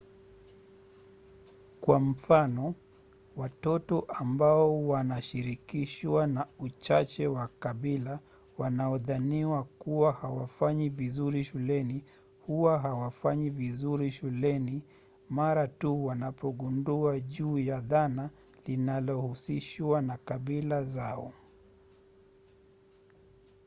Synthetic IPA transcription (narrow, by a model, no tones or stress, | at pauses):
kwam̩fanɔ | watɔtɔʔambaɔwanaʃiɾikiʃwanaut͡ʃat͡ʃɛwakaɓila | wanaɔðaniwakuwahawafaɲivizuɾiʃulɛni | huwaɦawafaɲivizuɾiʃulɛni | maɾatuwanapɔɠunduaʄuːjaðana | linalɔhusiʃwanakaɓilazaɔ